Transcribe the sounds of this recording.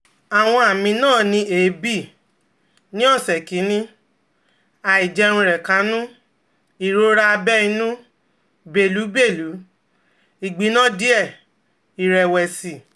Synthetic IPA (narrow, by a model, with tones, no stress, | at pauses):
a˨w̃ɔ̃˧a˨mĩ˧nãː˦˨nĩ˧eː˨˦bi˦˨ | nĩ˦ɔ˦˨sɛ˨ki˨˦nĩ˧ | a˨i˨d͡ʒɛ˧ɾũ˧ɾɛ˨kã˨˦nũ˦ | i˨ɾo˧ɾa˧bɛ˦i˧nũ˦ | be˨lu˨˦be˦˨lu˨˦ | i˨ɡ͡bi˨˦nã˦˨di˦ɛ˦˨ | i˨ɾɛ˨wɛ˨si˨